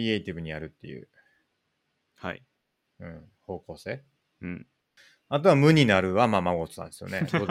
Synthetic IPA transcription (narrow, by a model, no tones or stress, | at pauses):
ie̞it̪ʲibɯ̟ɲ̟ijaɾɯ̟t̪ːe̞jɯ̟̰ː | ha̰ | ɯ̟̃ɴ | ho̞ːko̞ːse̞ː | at̪̬o̞amɯ̟ɲ̟inaɾɯ̟βamaːmaɡo̞t͡sɨ̥nã̰nd̪esɨjo̰nḛo